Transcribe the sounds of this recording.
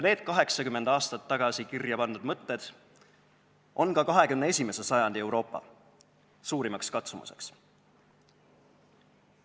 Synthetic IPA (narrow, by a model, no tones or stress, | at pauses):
ne̞ːd̪̥kɑɦe̞ksɑkymːe̞nd̪ɑːst̪ɑt̪ːɑɡ̥ɑsikirjɑpɑnd̪ud̪̥mɤt̪ːe̞d̪̥ | ʔo̞nkɑkɑɦe̞kymnee̞sʲime̞se̞sɑjɑnd̪ie̞wɾo̞ːpːɑ̰ | suːɾimɑkskɑt̪sumṵse̞̰ks